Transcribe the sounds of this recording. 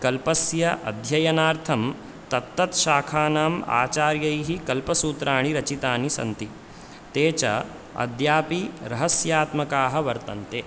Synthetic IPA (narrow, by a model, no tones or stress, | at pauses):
kɐlpɐsjɐʔɐ̰d̪ʱjɐjɐnaːɾt̪ʰɐm | t̪ɐt̪ːɐt̪ʃaːkʰaːnaːma̰ːt͡ʃaːɾjɐjɦikɐlpɐsuːt̪ɾaːɳiɾɐt͡ʃit̪aːnisɐ̰nt̪i | t̪eːt͡ʃɐ̰ | ɐ̰d̪ʱjaːpiɾɐɦɐsjaːt̪mɐkaːɦɐʋɐɾt̪ɐnt̪eː